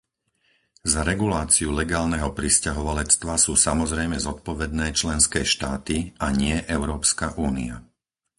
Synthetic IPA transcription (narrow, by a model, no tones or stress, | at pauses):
zaɾɛɡulaːt͡siulɛɡaːlnɛɦɔpɾiscaɦɔʋalɛt͡st̪ʋasuːsamɔzɾɛjmɛzɔt̪̚pɔʋɛd̪nɛːt͡ʃlɛnskɛːʃt̪aːt̪iaɲɪɛʔɛʊɾɔːpskaʔuːnia̰